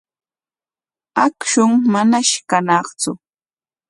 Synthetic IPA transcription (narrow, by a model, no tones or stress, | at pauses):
akʃʊŋmanaʃkanɑχt͡sʊ